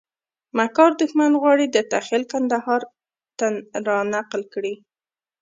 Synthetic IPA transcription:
makɑɾd̪ʊxmanɣwɑɽid̪ət̪axɪlkand̪ahɑɾ | t̪anɾɑnaqlkɽi

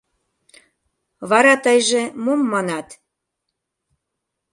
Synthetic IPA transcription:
βɑɾɑt̪əjʒĕmomːɑnɑt̪

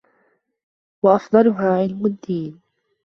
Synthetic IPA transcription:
wɑʔɑfd̪ˤɑlʊɦaːʕɪlmʊd̪ːiːn

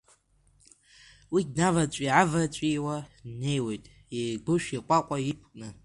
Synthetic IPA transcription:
widnavat͡ʃʷʼiʕavat͡ʃʷʼiwane̞jwe̞jtʼ | ejɡʷʊʃᶣiqʷʼaqʷʼajipʰkʼnɨ

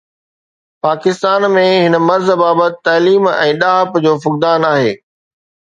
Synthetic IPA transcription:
paːkɪst̪aːnmẽɦɪnə̆mɐɾzbaːbət̪ɪt̪aːliːmɛ̰̃ːɗaːɦəpd͡ʑoːfʊk̚d̪aːnaːɦeː

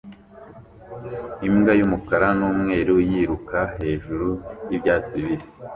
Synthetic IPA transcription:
imɡajumukaɾanuːmŋe̞ːɾujiɾukaɦe̞ːʒuɾujibɟaːt͡siiβisi̥

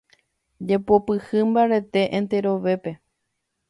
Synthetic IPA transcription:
d͡ʒe̞popɨhɨmbaɾe̞t̪e̞ʔẽnt̪e̞ɾo̞ʋe̞pe̞

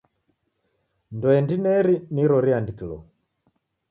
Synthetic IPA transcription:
ndɔɛndinɛɾiniɾɔɾiandikilɔ̰

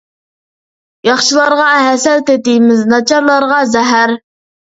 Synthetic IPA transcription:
jɑχʃilˠɑɾʁɑɦɛsɛlˠt̪ɪt̪ɪjmɪznɑt͡ʃʰɑɾlˠɑɾʁɑzɛɦæɾ

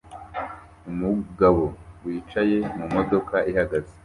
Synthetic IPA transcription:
umuɡaβo̞wiːt͡ʃaje̞mumo̞do̞kaʔihaɡaze

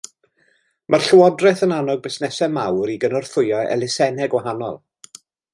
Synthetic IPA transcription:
mʔarɬəwɔdrɛθənanɔɡ̚bɪsnɛsɛmawɾiɡənɔrθʊjɔɛ̰lˠɪsɛnɛɡwaɦanɔ̰lˠ

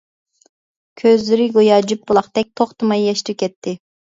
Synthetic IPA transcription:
kʲʰøzlɪɾɪɡojɑːd͡ʒyp̚bulˠɑχt̪ɛk̚ʲt̪ʰoχt̪ɨmɑjːɛʃt̪ɪkʲɛt̪ʰːɪ

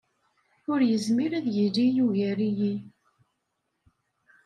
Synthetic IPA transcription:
ʊɾjəzmiɾæðjilijuʝæɾiji

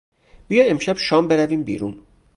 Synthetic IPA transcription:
b̥ijɒːe̞mʃæb̥ʃɒːmbe̞ɾæviːmbḭːɾṵːn

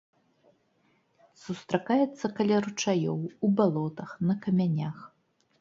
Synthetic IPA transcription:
sust̪ɾakajɛt̪sːɐkɐlʲaɾut͡ʂajɔwubalˠɔt̪ɐxnɐkɐmʲanʲax

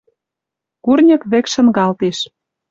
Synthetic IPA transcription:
kurnʲə̆kβekʃə̆nɣɑlt̪iʃ

